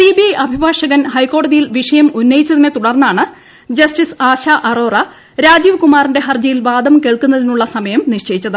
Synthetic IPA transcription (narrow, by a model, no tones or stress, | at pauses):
siːbijɐjʔɐbʱibʱaːʂɐɣɐnɦɐjko̞ːɽɐðijilʋiʂɐjɐmunːɐjit͡ɕːɐðinet̪uɽɐrnːaːɳɨ | d͡ʑɐsʈisaːɕaʔɐro̞ːrɐ | ɾaːd͡ʑiːʋkumaːrinde̞ɦɐrd͡ʑɐjilʋaːd̪ɐmke̞ːɭkunːɐðinuɭːɐsɐmɐjɐmniʂt͡ɕejit͡ɕːɐðɨ